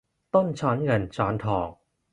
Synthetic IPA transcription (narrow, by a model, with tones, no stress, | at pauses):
t̪o˥˩nt͡ɕʰaː˦˥nŋɤ˧nt͡ɕʰaː˩˦˥nt̪ʰɔː˨˩ŋ